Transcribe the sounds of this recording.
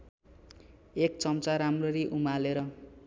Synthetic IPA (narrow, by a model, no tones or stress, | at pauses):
ek̚t͡sʌmt͡saɾamrʌɾiʔumaleɾʌ